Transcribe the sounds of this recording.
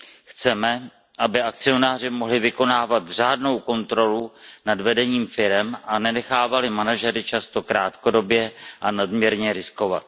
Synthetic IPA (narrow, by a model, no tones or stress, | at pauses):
xt͡sɛmɛ | ʔabɪʔak̚t͡sɪo̞naːr̝ɪmo̞ɦlɪvɪko̞naːvat̪r̝aːdno̞wko̞nt̪ɾo̞lunadvɛdɛɲiːmfɪɾɛmʔanɛnɛxaːvalɪmanaʒɛɾɪt͡ʃast̪o̞kɾaːt̪ko̞do̞bjɛʔanadmɲɛɾɲɛɾɪsko̞vat̪̚